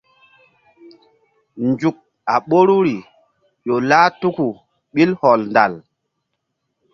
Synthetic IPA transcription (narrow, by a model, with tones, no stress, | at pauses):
nd͡ʒu˨k̚ | a˨ɓo˦ɾu˦ɾi˨ | ɗo˨laː˦tu˦ku˨ | ɓi˦lhɔ˨lnda̰˨l